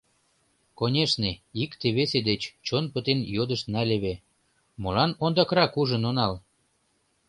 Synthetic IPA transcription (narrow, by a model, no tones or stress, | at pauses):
konʲeʃneikt̪eβesed̪et͡ɕt͡ɕonpət̪enjod̪əʃt̪nɑlʲeβe | mɤlɑnond̪ɑkɾɑkuʒənonɑl